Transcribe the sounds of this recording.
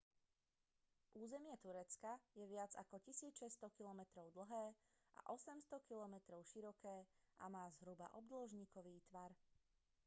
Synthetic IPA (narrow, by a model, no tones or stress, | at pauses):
ʔuːzɛmɪɛt̪uɾɛt͡skajɛʋɪad͡za̰kɔcisiːʃɛst̪ɔkilɔmɛt̪ɾɔʊd̪l̩ˠɦɛː | ʔa̰ʔɔsɛmst̪ɔkilɔmɛt̪ɾɔʊʃiɾɔkɛːʔamaːzɦɾuba̰ʔɔb̚d̪lɔʒɲiːkɔʋiːt̪ʋaɾ